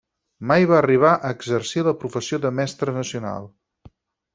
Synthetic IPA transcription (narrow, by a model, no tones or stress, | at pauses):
majβaəriβ̞aʔəːɡzərsiləpɾufəsioðəmɛst̪ɾənəsiuna̰lˠ